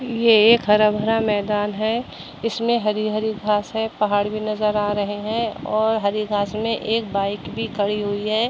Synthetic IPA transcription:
jeeːkɦɐɾabʱəɾamɛːd̪aːnɦɛ | ɪsmẽɦɐɾiɦɐɾiɡʱaːsɦɛpɐɦaːɽbʱinɐzəɾaːɾɐɦeɦɛ̃ɔːɾɦɐɾiɡʱaːsmẽʔeːk̚baːɪkbʱikʰɐɽiɦuiɦɛː

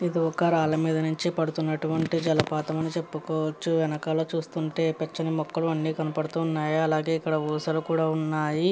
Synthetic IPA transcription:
id̪iɔkːɐɾaːlɐmiːd̪ɐnuɲt͡ʃipɐɽut̪unːɐʈuʋɐɳʈid͡ʒɐlɐpaːt̪ɐmɐnit͡ʃe̞pːukɔːʋɐt͡ʃːuʋɛnɐkalo̞ːt͡ʃuːst̪uɳʈe̞ːpɛt͡ʃːɐnimɔkːɐluɐnːiːkɐnɐpɐɽut̪uːnːaːjiɐlaːɡe̞ːikːɐɽɐʋuːsɐlukuːɽaːunːaːji

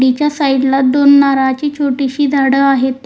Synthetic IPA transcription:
ɽit͡ɕjasaiɽlat̪̚d̪onːaɾat͡ɕiːt͡ɕʰoʈiɕiːd̪ʱaɽəaɦet̪ː

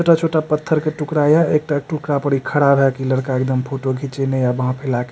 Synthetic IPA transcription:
oʈat͡ʃʰoʈapət̪ʰːəɾkeʈukɾajaek̚ʈaʈukɾapəɽikʰəɽabʱɛkiləɽkaek̚d̪əmpʰoʈoɡʱit͡ʃenejabəɦãpʰelake

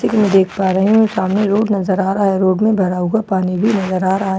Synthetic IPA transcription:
sekimɛ̃d̪eːkʰpaːɾɐɦiɦũsaːmneɾoːɽnɐzəɾaːɾaɦɛɾoːɖmẽbʱɐɾaːũɡapaːnibʱinɐzəɾaːɾaː

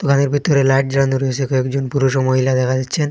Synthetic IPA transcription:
t̪okʰaneɾbʱit̪oɾelaʈ̚d͡ʑɾand̪uɾoet͡ɕʰekɔekd͡ʑonpuɾuʃomoɦilad̪ɛkʰad͡ʑatːɕʰen

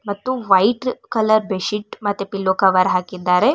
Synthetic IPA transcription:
mɐt̪ːuʋɐjʈkɐlɐɾbeʃiʈmɐt̪ːepilːokɐʋaɾɦaːkid̪ːaːɾe

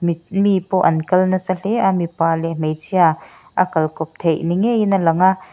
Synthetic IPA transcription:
mmipɔʔɐnkɐlnɐsɐlɛʔamipaːlɛm̥ejt͡sia | ʔɐkɐlkɔp̚t̪ʰejniŋejnɐlɐŋaʔ

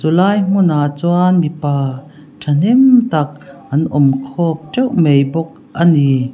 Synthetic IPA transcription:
t͡sulaːjŋ̥unat͡suanmipaː | ʈʰɐn̥imt̪ɐk̚ʔɐnʔɔmkʰɔp̚ʈ͡ʂɛwmejbɔk̚ | ʔɐni

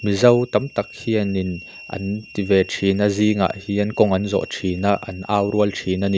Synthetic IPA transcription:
mizɐwt̪ɐmt̪ɐk̚hiɐnin | ʔɐ̰nt̪ivɛːtʰiːnaziːŋa̰ːʔhiːʔɐnkɔŋɐnzɔ̰ʔtʰiːnaʔɐ̰nʔaːwɾuəltʰiːnaniʔ

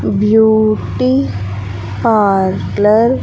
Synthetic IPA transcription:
bjuːʈi | paːɾkləɾ

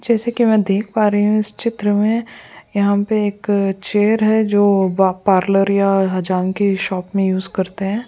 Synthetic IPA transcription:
d͡ʒɛːsekimɛ̃ːd̪eːkʰpaːɾeɦiɦũɪst͡ʃɪt̪ɾəmẽjɐɦãpeeːkt͡ʃeːəɾɦɛd͡ʒoːbapaːɾləɾjaɦɐd͡ʒaːmkiʃɔːpmẽjuːzkɐɾt̪eɦɛ̃ː

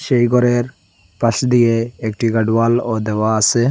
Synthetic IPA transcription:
ʃejɡɔɾeɾ | pasd̪ijeːkʈiɡaɖwalɔd̪ɛwaːsɛ

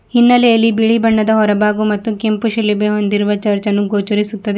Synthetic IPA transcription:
hinːɐlɛjɐlːibiɭibɐɳːɐd̪ɐɦɔɾɐbaːɡumɐt̪ːukempuʃɐlːibeɦo̞nd̪iɾuʋɐt͡ʃɐɾt͡ʃɐnːuɡoːt͡ʃuɾisut̪ːɐd̪e

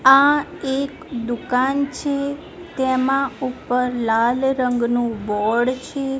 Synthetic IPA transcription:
aekd̪ukant͡ʃʰe | t̪emãupəɾlalɾəŋɡnũbɔɽt͡ʃʰe

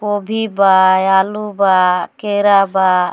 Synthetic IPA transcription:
kobʱibaalubakeɾaba

